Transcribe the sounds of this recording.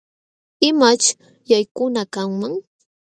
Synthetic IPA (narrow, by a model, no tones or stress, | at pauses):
ɪmat͡ʃ | jajkʊnakaŋmaŋ